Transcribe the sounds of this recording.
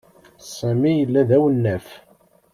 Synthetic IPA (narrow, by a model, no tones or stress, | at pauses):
sæmijəlːæðæwənːæf